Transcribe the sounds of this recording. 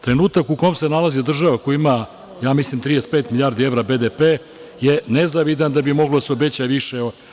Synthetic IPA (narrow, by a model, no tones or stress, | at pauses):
t̪ɾe̞nuːt̪akukomse̞nalˠazid̪r̩ʒaʋakojima | jaːmislimt̪ɾijespeːt̪milʲiaːɾd̪ieʋɾabed̪epeː | jenezaʋid̪and̪abimo̞ɡlod̪aseobe̞t͡ɕajeʋiʃeo